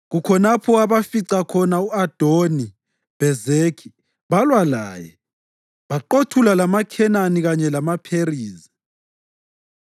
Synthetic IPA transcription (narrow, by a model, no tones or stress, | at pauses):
ɣukʰɔnapʰɔaβafiǀakʰɔnauad̥ʱoni | b̥ɛzekʰi | βalwala̰ːjɛ | βaǃotʰulalamakʰɛnaniɣaɲɛlamapʰeriːzi